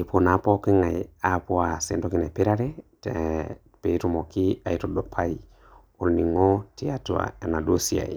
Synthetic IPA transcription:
i˨pʰo˨na˨pɔ˦ki˦ŋa˨a˨pwa˨sɛ˨ndɔ˦ki˦na˨pe˦ɾa˦ɾɛ˦tɛ | pe˨˦tu˦mɔ˨ki˦a˨itɔdo˨pʰa˦i | o˨lni˨ŋɔ˦ti˦a˨twa̰˨e˨na˨do˦sia̰˨ḭ˨

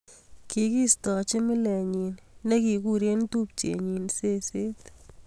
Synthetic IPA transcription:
ki˨ki˦stɔ˨t͡ʃɪ˦mɪ˦le˨ɲinːe˦ki˨kuɾje˦ntu˦p̚t͡ʃḛ˨ɲinse˦se˦t̪

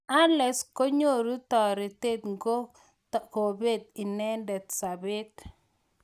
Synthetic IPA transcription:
a˦lɛ˨sko˦ɲo˦˨ɾu˦t̪ɔ˨ɾɪ˨t̪e˦˨t̪ŋɡo˦ | t̪ɔ˨ko˨be˦˨t̪̚i˨nɛ˦ndɛ˨t̪sa˨be˦t̪̚

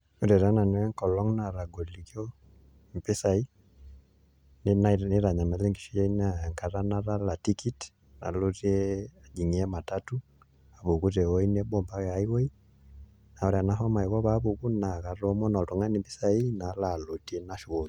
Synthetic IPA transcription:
u˨ɾɛ˨ɾa˦na˨n˨wɛ˦ŋkɔ˨lɔ˦ŋna˨ɾa˨ɡɔ˨li˨kjɔ˦ | m˨pɛ˦sa˨i˦ | nni˦ɾa˨ɲa˨na˨lɛ˦ŋɡi˨ʃi˦ɛ˦ina˨ŋka˨ɾa˦na˦ɾa˦la˨ti˦ki˦t | na̰˨lo˦tiɛ˦a˨d͡ʒi˨ŋi˨ɛ˦ma˨tatu˦ | a˨βu˨ku˦ɾɛ˨wɔ˦i˦nɛ˦ɓɔ˨mba˦ɣa˨i˦wɔ˦i˦ | na˨ɔ˨ɾi˨a˨na˦ɦɔ˦ma˨i˨βɔ˦βa˦βu˨ku˦na˨ɣa˨ɾɔ˦mɔ˦na˨tu˨ŋa˦ni˨mpi˦sa˨i˦na˨la˨lo˨ti˨ɛ˦na˦ʃu˨ɣɔ˨l

